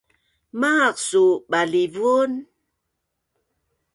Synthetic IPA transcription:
maqsuɓalivun

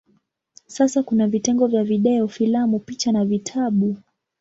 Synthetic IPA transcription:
sasakunavitɛŋɡɔvjaviɗɛɔfilamupit͡ʃanavitʰaɓu

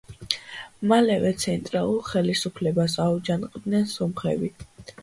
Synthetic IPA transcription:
malɛvɛt̪sʰɛnt̪ʼɾalˠulˠχɛlisupʰlɛbasaud͡ʒanqʼd̪nɛnsɔmχɛ̰bi

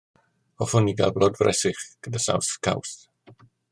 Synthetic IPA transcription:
ɔfʊniɡa̰lblɔdvrɛ̰sɪχɡ̥ədasa̰wθkʰawθ

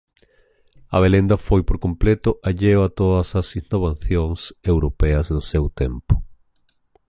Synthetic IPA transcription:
ɐ̰β̞elend̪ɐfojpoɾkomplet̪ʊʔaʎewat̪oðɐsɐsinoβ̞aθjoŋsewɾopɛɐzðʊsewt̪empʊ̥

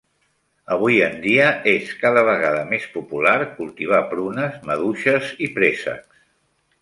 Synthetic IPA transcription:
əβ̞ujənd̪iəeskaðəβ̞əɣaðəmespupulaɾkulˠt̪iβ̞apɾunəzməðuʃəzipɾesə̰ks

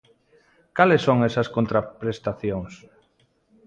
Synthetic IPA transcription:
kalesːoŋɛsɐskont̪ɾapɾest̪aθjoŋs

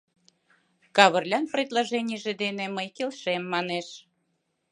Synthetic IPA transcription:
kɑβərlʲɑnprʲed̪lɑʒenʲijʒed̪eneməjkelʃemːɑneʃ

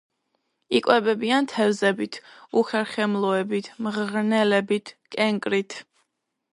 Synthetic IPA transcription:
ikʼwɛbɛbiant̪ʰɛvzɛbit̪ʰuχɛɾχɛmlˠɔɛbit̪ʰmʁʁnɛlɛbit̪ʰkʼɛŋkʼɾit̪ʰ

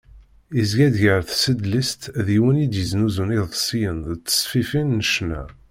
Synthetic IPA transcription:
izɡæd̪ʝəɾθsəd̪list̪ðiwənid̪jəznuzuniðsijənðt͡sːə̥sˤfifinːəʃnæ̰

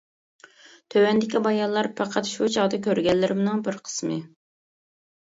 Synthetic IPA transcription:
t̪ʰøwɛnd̪ɪkʲibɑjɑllːˠɑɾpʰɑqʰɑt̪ʃut͡ʃʰɑʁd̪ɑkʲʰøɾɡʲɛlːɪɾɪmnɨŋbɪɾqʰə̥smɨ̰

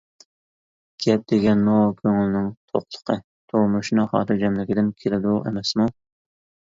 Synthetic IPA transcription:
ɡ̥ʲɛp̚d̪̥eɡʲɛnːokʲʰøŋlɪnɪŋt̪ʰoχlˠə̥qʰə | t̪ʰomuʃnɨχɑ̰ːɾɨd͡ʒɛmlɪkʲɪd̪ɪnkʲʰelɪd̪uḛmɛsmu

